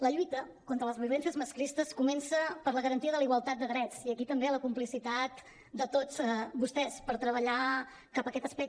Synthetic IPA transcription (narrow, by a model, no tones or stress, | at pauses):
ləʎuit̪ə | kont̪ɾələzβiulɛnsiəzməskɾist̪əskumɛnsəpəɾləɣəɾənt̪iəðəliɣwəlˠt̪at̪̚d̪əɣɾɛt͡siəkit̪əmbeləkumplisit̪at̪ | d̪ət̪ot͡sbust̪ɛspəɾt̪ɾəβ̞əʎa | kapəkɛt̪əspɛk̚t̪